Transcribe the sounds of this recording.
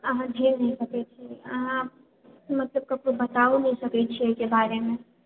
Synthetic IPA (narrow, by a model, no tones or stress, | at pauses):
əɦãd̪ʱeːɾnəɦĩkək̪et͡ʃʰiəɦã | mət̪ləb̚kəb̚kobət̪aunəɦĩsəkɛt͡ʃʰiɛkebaɾemẽ